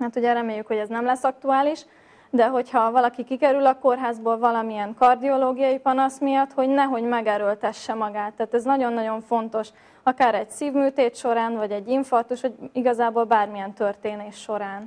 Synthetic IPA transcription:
haːt̪huɟɛɾɛmeːjːykho̞ɟɛznɛmlɛsːɒk̚t̪uaːliʃ | d̪ɛɦo̞chɒvɒlɒkikikɛɾylɒko̞rɦaːzboːlvɒlɒmijɛŋkɒrd̪io̞loːɡijɒjipɒnɒsmijɒt̪ho̞ɟnɛɦo̞ɟmɛɡɛɾølt̪ɛʃːɛmɒɡaːt̪ːaːt̪ɛznɒɟo̞nːɒɟo̞ɱfo̞nt̪o̞ʃ | ɒkaːɾɛɟsiːvmyːt̪eːt̪ʃo̞ɾaːnvɒɟɛɟːiɱfɒrt̪uʃho̞ɟiɡɒzaːboːlbaːrmijɛnt̪ørt̪eːneːʃːo̞ɾaːn

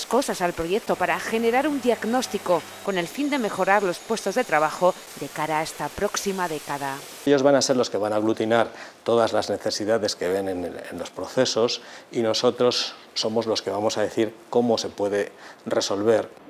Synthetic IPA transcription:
sko̞sasalpɾo̞ʝe̞k̚t̪o̞paɾaxe̞ne̞ɾaɾund̪iaɣno̞st̪iko̞ | ko̞ne̞lfind̪e̞me̞xo̞ɾaɾlo̞spwe̞st̪o̞zðet̪ɾaβ̞axo̞ | d̪e̞kaɾaest̪apɾo̞ksimaðe̞kaða | ʎo̞zβanase̞ɾlo̞ske̞βanaɣ̞lut̪inaɾt̪o̞ðazlazne̞θe̞siðaðe̞ske̞βe̞nenḛnlo̞spɾo̞θe̞so̞sino̞so̞t̪ɾo̞sː | o̞mo̞zlo̞ske̞βamo̞saðe̞θiɾko̞mo̞se̞pwe̞ðe̞re̞so̞lβe̞ɾ

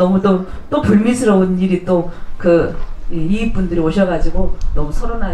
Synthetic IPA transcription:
ʌmut͈ot͈opuɭmisʰɯɾʌuniɾit͈okɯiipundɯɾioɕʰʌɡad͡ʑiɡonʌmusʰʌɾona

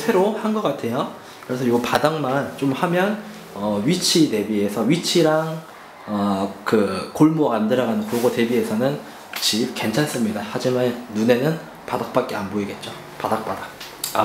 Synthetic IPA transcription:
sʰe̞ɾohanɡʌk͈atʰe̞jo | kɯɾesʰʌjiɡopadaŋmant͡ɕ͈omhamjʌn | ʌɥit͡ɕʰine̞bie̞sʰʌɥit͡ɕʰiɾaŋ | ʌkɯkoɭmoɡandɯɾʌɡanɯnkoɡote̞bie̞sʰʌnɯn | t͡ɕip̚ke̞nt͡ɕʰans͈ɯmɲidahad͡ʑimanːune̞nɯn | padak̚p͈ak͈̚eanboiɡe̞t̚t͡ɕ͈o | padak̚p͈ada

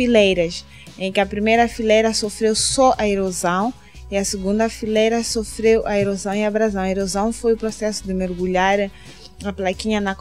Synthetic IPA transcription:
ilejɾɐs | ẽkɪɐpɾimejɾɐfilejɾɐsofɾewsɔʔɐeɾozɐ̃w̃ | ɪɐsɪɡũnd̪ɐfilejɾɐsofɾewʔɐeɾozɐ̃w̃ɪabɾazɐ̃w̃ɐeɾozɐ̃w̃fojʊpɾosɛsʊd̪ɪmeɾɡuʎaɾ | ɐplakĩɲɐnɐ

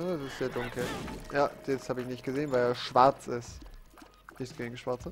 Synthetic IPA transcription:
aɛsɪstz̥eːɐdʊŋkl̩jaːjɛt͡sthaːbəɪçnɪçt̚ɡ̥əzeːənvaɪeːɐʃv̥aɐt͡sɪst | nɪçsɡ̥eɪŋʃv̥aɐt͡sə

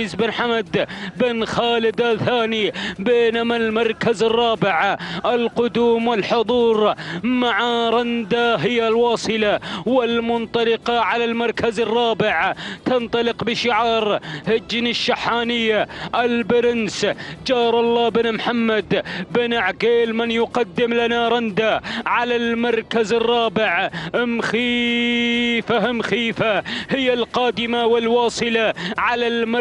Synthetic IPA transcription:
zbɪnħamad̪bɪnxaːlɪd̪aθaːnibeːnamalmɑɾˤkazɑrˤːɑːbɪʕʔɪlqʊd̪uːmwɪlħʊðˤuːɾmaʕaɾˤɑnd̪aɦɪjːalwɑːsˤɨlawɪlmʊnt̪ˤɑlɪqɑʕalalmɑɾˤkʰazɪrˤːɑːbɪʕt̪ɑnt̪ˤɑlɪqbɪʃɪʕɑːɾˤhɪd͡ʒnɪʃːaħːaːnɪjːaʔɪlbɪɾɪnsd͡ʒɑːɾˤʔɑlˤːɑːbɪnmħamːad̪bɪnaʕɡeːlmɪnjʊqɑd̪ːɪmlanaɾˤɑnd̪aʕalalmɑɾˤkazɪrˤːɑːbɪʕhɪmxiː | fahɪmxiːfahɪjːalqɑːd̪ɪmawɪlwɑːsˤɨlaʕalalm

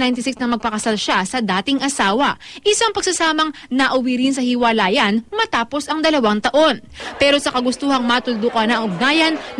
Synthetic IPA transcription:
najnt̪ɪsɪksnɐmɐɡ̚pɐkɐsalʃasɐd̪aːt̪ɪŋʔɐsaːwɐʔɪsaŋpɐɡ̚sɐsaːmɐŋnɐʔʊwiɾɪns̬ɐhɪwɐlaːjɐnmɐt̪aːpo̞sɐŋd̪ɐlɐwaŋt̪ɐʔo̞npɛːɾo̞sɐkɐɡʊst̪uːhɐŋmat̪ʊld̪ukɐnɐʔŋʊɡ̚naːjɐn

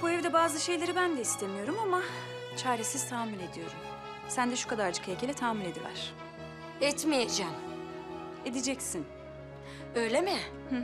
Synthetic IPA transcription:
b̥uevid̪ɛbaːzɯʃe̞jlʲeɾibænd̪ɛist̪ʰemijo̞ɾumama | t͡ʃʰaːɾesiz̥t̪ʰaːmile̞d̪ijo̞̰ɾum | sænd̪ɛʃu̥kʰad̪aɾd͡ʒɯkʰecʰelʲɛt̪ʰaːminʲe̞d̪ilʲæ̰ɾ̥ | ɛt̪mijet̪d͡ʒɛm | e̞d̪id͡ʒɛcsin | ø̞jlʲemɪ | h̩

